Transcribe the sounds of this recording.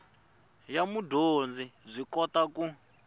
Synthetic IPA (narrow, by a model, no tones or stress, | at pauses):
jamudʱond͡zib͡ʐʷikɔtaku